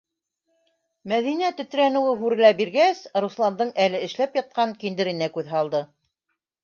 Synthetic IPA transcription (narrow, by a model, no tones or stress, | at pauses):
mæðinæt̪ɵ̆t̪̆ɾænɘ̆wɘɦʉɾɘ̆læbiɾɡæsɾuslˠɑnd̪ɤɴʔælɘɘ̆ʃlæpjɑt̪̚qɑŋkind̪ɘ̆ɾɘ̆nækʉðɦɑlˠd̪ɤ